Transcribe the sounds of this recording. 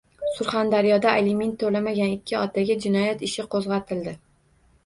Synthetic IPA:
sʊɾχand̪aɾjɒd̪aelement̪ʰːolamaɡʲanɪkʲʰːɪɒt̪ʰaɡʲad͡ʒɪnɒjat̪ɪʃɪqʰozʁɑt̪ʰɪld̪ɪ

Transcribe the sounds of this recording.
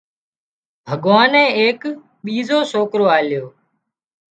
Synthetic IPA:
bʱəɠʋaːnẽːeːk | ɓiːzoːsoːkɾoːaːljoː

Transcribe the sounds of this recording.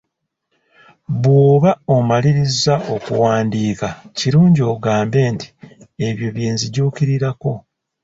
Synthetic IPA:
βwoːβaomaliɾizaʔo̞kṵwaːndiːkaciɾuːɲɟio̞ːɡaːmbe̞ːnti̥e̞βjo̞βje̞ːnziɟuːkiɾiɾako̞

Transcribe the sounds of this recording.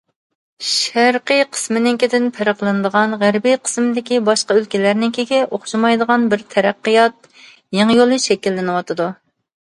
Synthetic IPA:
ʃæɾqəjqʰə̥smɪnɪŋkʲʰɪd̪ɪnpʰæɾəqlˠɨnɨd̪əʁɑnʁæɾbijqʰə̥smɪd̪ɪkʲibɑʃqɑølkʲilæɾnɪŋkʲʰeɡʲɪʔoχʃɑmɑjd̪əʁɑnbɪɾt̪ʰɛɾæqːɨjɑt̪̚ | jeŋjolˠɨʃɛkʲilːɪnɨwɑt̪ʰɨd̪u

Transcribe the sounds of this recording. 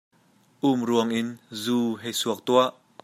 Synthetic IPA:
ʔumruəŋʔɪnzuːɦejsuək̚t̪uaʔ

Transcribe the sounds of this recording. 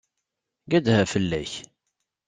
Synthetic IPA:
ɡæd̪hæfəlːæç

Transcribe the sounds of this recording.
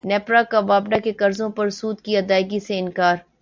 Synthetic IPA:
nɛːpɾakabaːbɖakekɐɾzõpɐɾsuːd̪kiɐd̪aːɪɡiseɪnkaːɾ

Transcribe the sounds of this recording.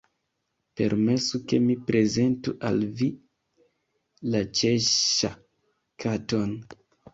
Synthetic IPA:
pe̞̰ɾme̞suke̞mipɾe̞ze̞ntuʔalvi | lat͡ʃe̞ʃa̰ | kato̞n

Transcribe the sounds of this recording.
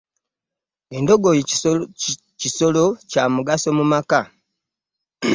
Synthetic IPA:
e̞ndo̞ɡoj | ciso̞lo̞camuɡaso̞mumaka

